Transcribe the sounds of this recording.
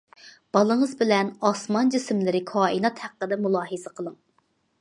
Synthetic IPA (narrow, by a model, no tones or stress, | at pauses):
b̥ɑlˠəɴəzbɪlɛnɑsmɑnd͡ʒismlɪɾɪkʰɑːinɑt̪hæqːəd̪ɛmulˠɑːɦɨzɨqʰəlˠəŋ